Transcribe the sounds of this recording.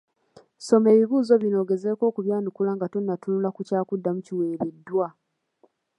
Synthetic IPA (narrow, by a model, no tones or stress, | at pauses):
so̞me̞ːβiβuːzo̞βino̞ːɡe̞ze̞ːko̞ːkuβjaːnukulaŋɡatunːatunulakucaːkudːamuciwe̞ːɾedːwa